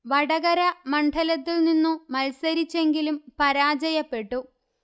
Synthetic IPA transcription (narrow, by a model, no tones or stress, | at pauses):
ʋɐɽɐɣɐɾɐmɐɳɖʰʱɐlɐt̪̬ːilninːumɐlsɐɾit͡ɕːe̞ŋɡilumpɐɾaːd͡ʑɐjɐpːe̞ʈːu